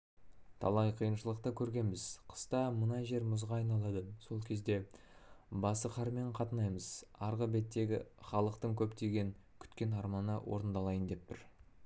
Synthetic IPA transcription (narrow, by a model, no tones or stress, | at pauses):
t̪ʰɑ̰lˠɑjqʰijənʃəlˠəq̚t̪əkʲʰɵɾɡʲe̞nbɪzqʰə̥st̪ɑmənɑʒe̞ɾmʊzʁɑːjnɑlˠɑd̪əso̞lˠkʲʰe̞zd̪e̞ | bɑsəqʰɑɾme̞ɴqʰɑt̪ənɑjməz̥ɑɾʁəbe̞t̪ːe̞ɡʲɪ̰χɑlˠəqt̪əɴkʲʰɵpt̪e̞ɡʲe̞ŋkʲʰʏ̥t̪kʲe̞nɑɾmɑnə̰wʔo̞̰ɾənd̪ɑlˠɑjənd̪e̞p̚t̪ɪɾ